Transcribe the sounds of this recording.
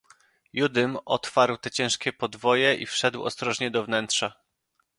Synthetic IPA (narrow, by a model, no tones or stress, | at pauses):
jud̪ɘmɔt̪faɾwt̪ɛt͡ɕɛ̃w̃ʂkʲɛpɔd̪vɔjɛʔḭfʂɛd̪wɔ̰st̪ɾɔʐɲɛd̪ɔvnɛnt̪ʂa